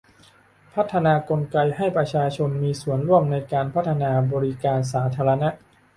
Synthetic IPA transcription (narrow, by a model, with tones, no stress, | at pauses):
pʰa˦˥t̪ʰːa˧naː˧ko˧nka˧jha˥˩jpɾa˧t͡ɕʰaː˧t͡ɕʰo˧nmiː˧su˨˩˦ənɾu˥˩əmna˧jkaː˧npʰa˦˥t̪ʰːa˧naː˧bɔː˧ɾi˦˥kaː˧ns̬aː˩˦t̪ʰaː˧ɾa˧na˦˥ʔ